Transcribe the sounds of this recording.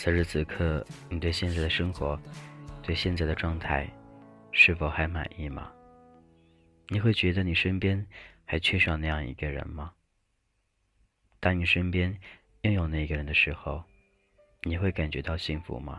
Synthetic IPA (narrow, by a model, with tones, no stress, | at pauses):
t͡sʰə˧˥ʂɻ̩˥˧t͡sʰɹ̩˨˩kʰɤ˥˩ni˨˩t̪we˥˧ɪɕjɛ˥˧nt͡sa˥˩ɪd̪ə˨ʂɤ˥ŋxwɔ˧˥t̪we˥˧ɪɕjɛ˥˧nt͡sa˥˩ɪd̪ə˩ʈ͡ʂwɑ˥˧ŋt̪ʰa˥˩ɪʂɻ̩˥˩fo˨˩ʊxa˧˥ɪma̰˨˩ni˥˩mɐ̰˩ | ni˨˩xwe˥˩ɪt͡ɕɥɛ˧˥d̪ə˧ni˨˩ʂə˥npjɛ˥nxa˧˥ɪt͡ɕʰɛ˥˧ʂɑ˥˧ʊna˥˧jɑ˥˩ŋḭ˧˥ɡə˧ɻə̰˧˥nmɐ˧ | t̪ɑ˥ŋni˨˩ʂə˥npjɛ˥n | jʊ˥˩ŋjo˨˩ʊna˥˩i˧ɡə˧˩ɻə˧˥nd̪ə˧ʂɻ̩˧˥xo˥˧ʊ | ni˨˩xwe˥˩ɪka˨˩nt͡ɕɥɛ˧˥t̪ɑ˥˧ʊɕi˥˩ŋfṵ˧˥mɐ̰˧